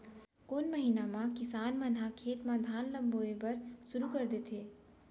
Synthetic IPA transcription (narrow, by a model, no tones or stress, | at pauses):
koːnməɦiːnamãkɪsaːnmənɦakʰeːt̪mãd̪ʱaːnlə̃mboːebəɾʃʊɾukəɾd̪eːt̪ʰeː